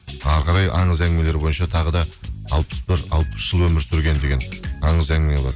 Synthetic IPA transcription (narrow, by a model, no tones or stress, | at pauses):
ɑɾʁɑɾɑjʔɑ̰ɴəzæŋɡme̞le̞ɾbo̞jənʃɑt̪ʰɑʁəd̪ɑɑlˠpə̥sbɪɾɑlˠpə̥sʒ̥əlˠwɵmɪɾsʏɾɡʲe̞nd̪e̞ɡʲe̞nɑɴəzæŋɪmelˠɑd̪